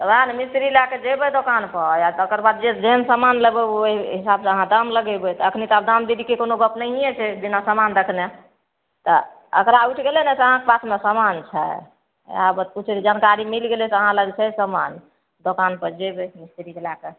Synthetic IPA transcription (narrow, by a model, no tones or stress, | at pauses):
t̪ɔbaanemist̪ɾilaked͡ʒebɛd̪okanpəjaokəɾbad̪̚d͡ʒed͡ʒeɦənsəmanlebɛoɦisabseəɦãd̪əmləɡɛbɛt̪ɔəkʰnit̪abd̪amd̪iɾikekonoɡəpnəɦijɛt͡ʃʰɛb̪inasəmand̪əkʰne | t̪ɔ | ə̰kɾauʈʰɡelenɛt̪ɔəɦãkepasʰmesəmant͡ʃʰɛ̰ | a̰bət̪̚kut͡ʃʰɾid͡ʒankaɾimilɡelɛt̪əɦãləɡt͡ʃʰɛsəman | d̪okanpəd͡ʒebɛmist̪ɾikelake